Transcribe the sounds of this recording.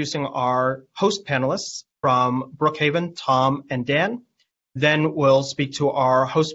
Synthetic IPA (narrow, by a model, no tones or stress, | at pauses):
ʉsɪ̃ŋaə˞hoʊs̚pʰænl̩ˠəstsfɹʌ̃mbɹʊkheɪvɨ̃ntʰɑ̃mɨ̃ndæ̃n | ðɨ̃nwɪlˠspik̚tʰəʔaʊə˞hoʊs